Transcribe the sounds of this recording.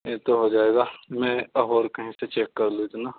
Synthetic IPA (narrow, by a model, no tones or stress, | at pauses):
ẽt̪oɦod͡ʒaːeːɡamɛ̃ɦoːɾkɐɦĩset͡ʃeːkːɐɾluɪt̪naː